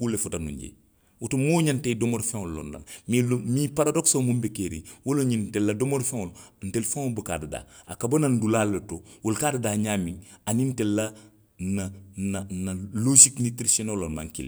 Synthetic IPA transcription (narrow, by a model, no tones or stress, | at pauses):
kulefutanṵɲɟḛ | wutumoɲantedomoɾfẽŋolːo̰nːa̰nmimipaɾadoksomumbekeɾḭwoloɲintelːadomoɾfẽŋoln̩telfẽŋobuka̰ːdada̰ːakabonandulalːetowolkadadaːɲaːmiŋanintelːa | nananaloʃiknitɾisonolːoma̰ŋkḭl̰